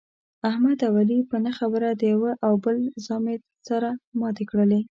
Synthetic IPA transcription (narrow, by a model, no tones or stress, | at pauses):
ahmad̪awalipənəxabəɾad̪əjawəʔawbəlzɑmet̪ | saɾamɑt̪ekɽəle